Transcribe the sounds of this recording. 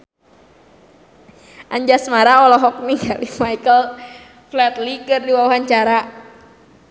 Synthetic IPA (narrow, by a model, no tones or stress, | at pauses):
ʔaɲd͡ʒasmaɾaɔlɔɦɔk̚niŋɡalimajkəl | flɛt̪likɨrdiwawaɦant͡ʃaɾa